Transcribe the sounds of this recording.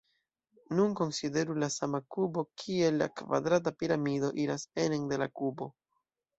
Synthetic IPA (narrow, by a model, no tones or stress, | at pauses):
nunko̞nside̞ɾulasamakubo̞kʰie̞lːa̰kva̰dɾat̬apiɾamido̞ʔiɾase̞nende̞lakubo̞